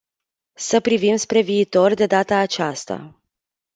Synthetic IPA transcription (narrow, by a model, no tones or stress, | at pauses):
səpɾivimspɾe̞viːt̪o̞rd̪e̞d̪at̪aːt͡ʃast̪a̰